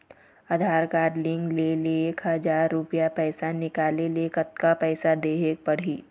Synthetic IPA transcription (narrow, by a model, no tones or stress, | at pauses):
ad̪ʱaːɾkaːɾɖlɪ̃ŋɡlelieeːkhɐzaːɾːʊpijapɛːsanɪkaːlelekət̪̚kapɛːsad̪eːɦepəɾɦiː